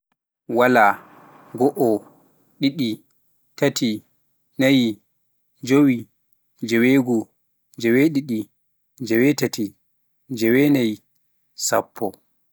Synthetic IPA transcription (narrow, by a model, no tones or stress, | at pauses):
wala | ɡɔʔɔ | ɗiɗi | tatʰi | naj | d͡ʒowi | d͡ʒɛweɡɔ | d͡ʒɛwɛɗiɗi | d͡ʒɛwɛtati | d͡ʒɛwɛnaj | sapʰːɔ